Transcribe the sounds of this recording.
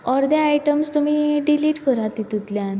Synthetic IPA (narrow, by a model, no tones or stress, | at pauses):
ɔɾd̪jaajʈəmst̪um̤iɖiliːʈkəɾat̪it̪ut̪ljan